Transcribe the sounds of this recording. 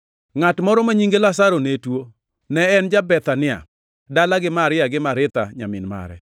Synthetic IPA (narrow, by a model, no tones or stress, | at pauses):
ŋatmɔɾɔmaɲiŋɡelas̬aɾonetwo | nɛɛnd͡ʒabɛt̪anɪa̰ | dalaɡɪmaɾɪaɡɪmaɾɪt̪a̰ɲamɪnma̰ɾɛ̰